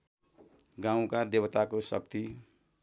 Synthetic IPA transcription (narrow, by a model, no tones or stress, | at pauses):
ɡãw̃kad̪ebʌt̪akosʌ̰k̚t̪i